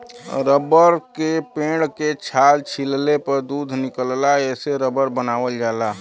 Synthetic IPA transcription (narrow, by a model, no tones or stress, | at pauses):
ɾəbəɾkepẽɽket͡ʃʰaːlt͡ʃʰillepəɾd̪uːd̪ʱnɪkəllaɛːseɾəbəɾbənaːʋəld͡ʒaːla